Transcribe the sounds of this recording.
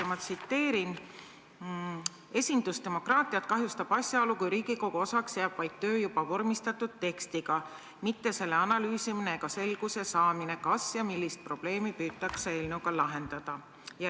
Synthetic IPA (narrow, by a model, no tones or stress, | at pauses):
mɑt̪sit̪ːe̞ːɾin | e̞sʲind̪̥ust̪e̞mo̞krɑːt̪ˑiɑt̪kɑɦjust̪ɑb̥ɑsʲjɑo̞lukujɾiːɡ̥iko̞ɡ̥uo̞sɑksjeːb̥vɑjd̪̥̚t̪ø̞ːjub̥ɑvo̞rmist̪ɑt̪ːˑud̪̥̚t̪e̞kst̪iɡ̥ɑ | mit̪ːe̞se̞lːe̞ɑnɑlyːsimine̞ːɡ̥ɑse̞lɡ̥use̞sɑːmine̞kɑsjɑmilːist̪̚pro̞b̥le̞ːmipyːt̪ːˑɑksee̞ːlnewɡɑlɑɦe̞nd̪̥ɑd̪̥ɑ | jɑ